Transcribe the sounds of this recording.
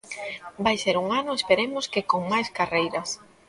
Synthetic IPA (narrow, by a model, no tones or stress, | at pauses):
bajseɾuŋanʊespeɾemʊskɪkoŋmajskarejɾɐs